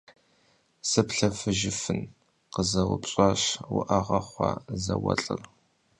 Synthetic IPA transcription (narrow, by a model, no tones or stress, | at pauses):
sɨpɬɐfɨʒɪfɨn | qəzɐwʊpɕʼɑɕwʊ̰ʔɐʁɐχʷɑ̰zɐwɐ̰ɬʼɨr